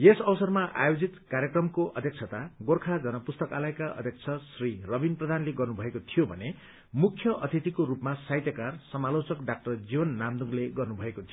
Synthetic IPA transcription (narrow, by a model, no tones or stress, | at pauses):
esʌbsʌrmaʔa̰jod͡zit̪kaɾjʌkrʌmkoʔʌd̪ʱjʌk̚t͡sʰʌt̪aɡorkʰad͡zʌnʌpust̪ʌkalʌekaʌ̰d̪ʱjʌk̚t͡sʰʌsrirʌbinprʌd̪ʱanleɡʌrnubʱʌekot̪ʰijobʱʌne | mukʰjʌʔʌt̪ʰit̪ikoɾupmasajt̪jʌkarsʌmalot͡sʌkɖak̚ʈʌrd͡zibʌnːamd̪uŋleɡʌrnubʱʌekot̪ʰio